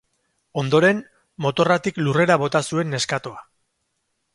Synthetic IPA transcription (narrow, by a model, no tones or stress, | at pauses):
o̞nd̪o̞ɾe̞n | mo̞t̪o̞rat̪iklure̞ɾaβ̞o̞t̪asue̞nːe̞skat̪oa